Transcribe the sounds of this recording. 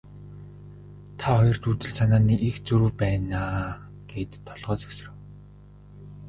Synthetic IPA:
t̪ʰaχɔjɞ̆r̥t̪uːt̪ɘ̆ɮsanaːniːʔixt͡suɾuwpæːnaː | ɡ̥eːt̪ʰːɔɮʁœːt͡sœ̥ks̆rɘ̆w

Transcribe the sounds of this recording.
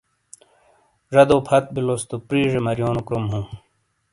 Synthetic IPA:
ʐɐd̪oːpʰɐt̪̚bilost̪upɾiːʐemɐɾjoːnukɾomɦũː

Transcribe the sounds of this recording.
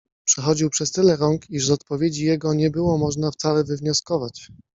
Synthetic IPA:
pʂɛxɔd͡ʑiwpʂɛst̪ɘlɛɾɔŋkiʐzɔt̪̚pɔvʲjed͡ʑijɛɡɔɲɛbɘwɔmɔʐnaft̪salɛvɘvɲɔskɔvat͡ɕ

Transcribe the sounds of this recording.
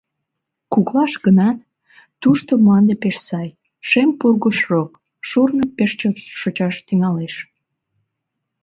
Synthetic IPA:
kuklɑʃɡənɑt̪̚ | t̪ːuʃt̪omlɑnd̪epeʃsɑj | ʃempurɣəʃrok | ʃurnəpeʃt͡ɕot̪ʃot͡ɕɑʃt̪yŋɑleʃ

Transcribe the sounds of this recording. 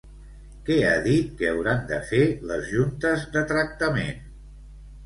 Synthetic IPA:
kɛa̰ðit̪̚kəəwɾand̪əfeləzʒunt̪əzðət̪ɾək̚t̪əmḛn

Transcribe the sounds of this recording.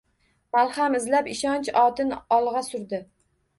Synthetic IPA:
malˠχamɪzlapɪʃɒnt͡ʃɒt̪ʰɪnɒlˠʁɑsʊɾd̪ɪ

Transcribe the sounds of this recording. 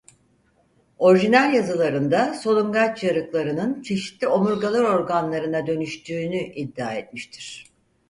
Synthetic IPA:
o̞ɾiʒinælʲjazɯlˠaɾɯnd̪aso̞lˠuŋɡat͡ʃjaɾɯklˠaɾɯnɯnt͡ʃʰe̞ʃi̥t̪lʲio̞muɾɡalˠaɾo̞ɾɡanlˠaɾɯnad̪ø̞nyʃt̪ʰyːnyʔid̪ːiaːet̪miʃt̪ʰiɾ̥

